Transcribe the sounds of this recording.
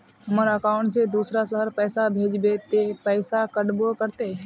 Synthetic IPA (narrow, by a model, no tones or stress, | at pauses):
ɦəmaɾaəkaʊ̃ɳʈsed̪uːsɾasəɦəɾpəːsabʱeːd͡ʒbet̪epəɪsakəɽbokəɾt̪e